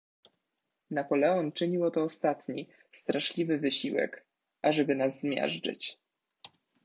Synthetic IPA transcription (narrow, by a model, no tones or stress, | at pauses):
napɔlɛɔnt͡ʂɘɲiwɔt̪ɔːst̪at̪ɲi | st̪ɾaʂlʲivɘvɘɕiwɛ̰k | ʔaʐɛbɘnazːmʲjɛ̰ʐd͡ʐɘ̰t͡ɕ